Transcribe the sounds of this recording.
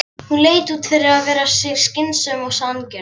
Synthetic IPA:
hunleːjt̪uːt̪fɛɾɪɾaðvɛːɾasɪɣscɪnsœmɔwsancɛ

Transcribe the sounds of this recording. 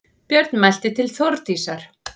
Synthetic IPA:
pjœɾt̪nmajl̥t̪ɪt̪ʰɪlθoɾt̪iːsaɾ̥

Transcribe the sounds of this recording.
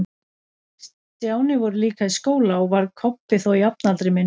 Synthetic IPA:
s | t̪jaːwnɪvɔɾʏliːkaðiskoːwlaɔɣvaɾkʰɔpːɪθowiapnalt̪ɾɪmɪn

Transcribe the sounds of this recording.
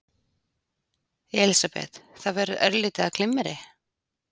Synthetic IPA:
ɛlisapɛ̰t̪θavɛɾʏðœɾlɪːt̪ɪakʰlɪmːɛɾɪ

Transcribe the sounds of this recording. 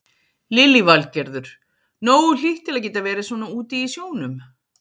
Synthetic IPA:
lɪlːivalcɛɾðʏɾ̥ | noːwʏl̥iht̪ɪɾlacɛːt̪avɛːɾɪsvɔːnauːt̪iːsjoːwnʏm

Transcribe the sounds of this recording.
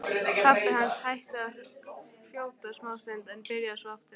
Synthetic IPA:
aɪhanshajht̪ɪa | fjoːwt̪asmaːwst̪ent̪ɛnpɪɾjaðsvɔaft̪ɪ

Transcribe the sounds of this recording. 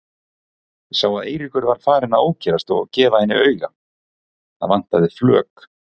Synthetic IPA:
saːwaðḛːjɾikʏɾvaɾ̥faːɾɪnaðoːwcʰɛɾast̪ɔ̰cɛːvahɛnːɪœːɥɣa | θa̰ðvan̥t̪aðɪflœ̰ːk

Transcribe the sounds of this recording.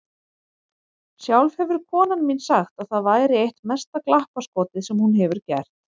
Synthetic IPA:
sjawlvhɛvʏɾ̥kʰɔːnanminsaxt̪aðθaðvaːjɾɪejht̪mɛst̪aklahpaskɔːt̪ɪsɛmhunɦɛvʏɾ̥cɛ̰r̥t̪

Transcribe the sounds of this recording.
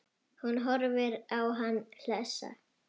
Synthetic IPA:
hunɦɔɾvɪɾawɦanːl̥ɛsa̰

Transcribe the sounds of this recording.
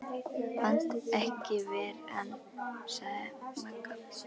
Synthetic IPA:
fant̪ɛhcɪvɛːɾɛ̰n | saɣðɪmakːḁ

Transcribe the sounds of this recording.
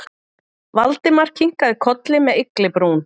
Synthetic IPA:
valt̪ɪmar̥ciŋ̥kaðɪkʰɔt̪lɪmɛðɪklɪpɾuːn

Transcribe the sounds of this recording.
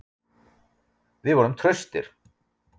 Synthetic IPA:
vɪðvɔːɾʏmt̪ʰɾœɥst̪ɪɾ̥

